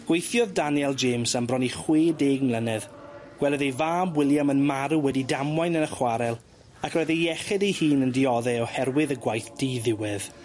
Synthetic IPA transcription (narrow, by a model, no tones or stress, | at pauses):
ɡ̥wejθjɔðdanjɛlˠd͡ʒemsambrɔniχweːdeːɡmlˠənɛðɡ̥wɛlˠəðejvaːmwɪlˠjamənmaɾuwɛdidamwajnənəχwaɾɛlˠ | akʰrɔjðeɛχɛdejhiːnəndɪɔðɛɔhɛɾwɪðəɡwajθd̥iːðɪwɪð